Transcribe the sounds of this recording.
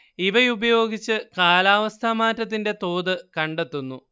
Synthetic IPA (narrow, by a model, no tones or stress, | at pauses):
iʋɐjubɐjo̞ːɡit͡ɕːɨkaːlaːʋɐst̪ʰamaːtːɐt̪̬ːinde̞t̪o̞ːðɨkɐɳɖe̞t̪ːunːu